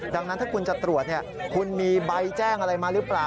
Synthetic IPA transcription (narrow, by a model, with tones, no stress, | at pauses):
daː˧ŋna˦˥nt̪ʰaː˥˩kʰu˧nt͡ɕa˨˩t̪ɾu˨˩ət̪̚ni˦˥˩kʰu˧nmiː˧ba˧jt͡ɕɛː˥˩ŋʔa˧ɾa˧jmaː˧˩ɾɯ˦˥plaː˨˩